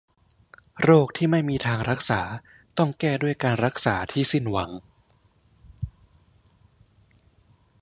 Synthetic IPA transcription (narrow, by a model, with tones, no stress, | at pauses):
ɾoː˥˩k̚t̪ʰiː˥˩ma˥˩jmiː˧t̪ʰaː˧ŋɾa˦˥k̚saː˩˦ | t̪ɔ˥˩ŋkɛː˥˩du˥˩əjkaː˧nɾa˦˥k̚saː˩˦t̪ʰiː˥˩si˥˩nwa˩˦ŋ